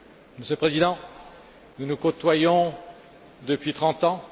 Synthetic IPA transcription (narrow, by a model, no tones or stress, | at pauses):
məsjøləpχezid̪ɑ̃ | nunukot̪wajɔ̃ | d̪əpɥit̪χɑ̃t̪ɑ̃